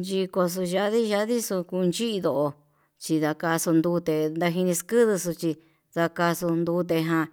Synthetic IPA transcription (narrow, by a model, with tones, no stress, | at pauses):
nd͡ʒi˧ko˧s̬u˧ʒa˧ði˦ʒa˧˦ði˦su˧ku˧nt͡ʃi˦i˧ðo˧˨ʔo˧ | t͡ʃi˧ða˧ka˧su˧nd̪u˧˦t̪e˧nd̪a˧ɦi˧nĩ˧skɨ˦ðɨ˧s̬u˧t͡ʃi˧ | ða˧ka˧su˧nd̪u˧˦t̪e˧ɦã˧